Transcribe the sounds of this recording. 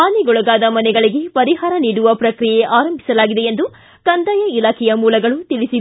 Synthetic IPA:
aːniɡɔɭɐɡaːd̪ɐmɐnɛɡɐɭiɡe̞pɐɾiɦaːɾɐniːɽuʋɐpɾɐkɾijeʔaːɾɐmbʱi̥sɐlaːɡid̪eend̪u | kɐnd̪ɐjɐilaːkʰɛjɐmuːlɐɡɐɭut̪iɭisi

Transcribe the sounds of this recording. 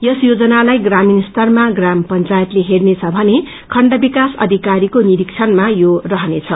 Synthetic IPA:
jʌsjod͡zʌnalajɡraminst̪ʌrmaɡrampʌnt͡sajʌt̪leɦernet͡sʰʌbʱʌne | kʰʌɳɖʌbikasʌ̰d̪ʱikaɾikoniɾik̚t͡sʰʌnmajorʌɦʌnet͡sʰʌ

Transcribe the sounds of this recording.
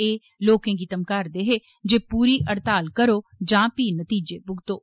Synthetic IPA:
eː | loːkẽːɡɪt̪əmkəɾd̪eːɦeː | d͡ʒeːpuːɾiːʔəɾt̪aːlkəɾoːd͡ʒãːpiːnət̪iːd͡ʒeːbʊɡt̪oː

